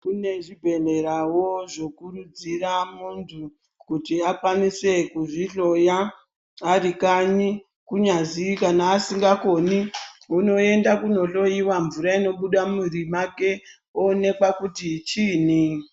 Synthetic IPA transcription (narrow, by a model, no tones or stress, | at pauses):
kune̞ʐibʱe̞ɮe̞ɾawo̞ʐo̞kurud͡ziramuntʰu | kutiakwanise̞kuʐiɬo̞jaː | rikaɲi | kuɲazikanaːsiŋɡako̞niuno̞e̞ndakuno̞ɬo̞jiwaɱvuɾaino̞ɓuɗamurimake̞ | one̞kwakutit͡ʃiːni